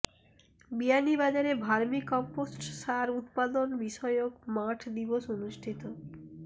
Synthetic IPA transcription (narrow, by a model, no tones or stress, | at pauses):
bianibad͡ʑaɾebʱaɾmikɔmposʈʃaɾut̪̚pad̪onbiʃɔeokmaʈʰd̪iboʃonuʃʈʰit̪o